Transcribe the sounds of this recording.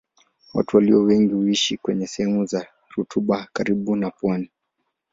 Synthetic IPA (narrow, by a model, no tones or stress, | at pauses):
wa̰tuwaliɔwɛŋɡihuiʃikwɛɲɛsɛhɛmuza | ɾutʰuɓakaɾiɓunapwani